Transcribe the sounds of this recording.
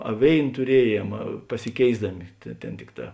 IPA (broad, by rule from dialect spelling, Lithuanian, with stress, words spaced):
ɐ ˈʋʲeːɪn tʊˈrʲiɛˌjiɛm pɐsʲɪˈkʲeːɪzdɐmʲɪ tʲeː ˈtʲeːn ˈtʲɪkˌtɑː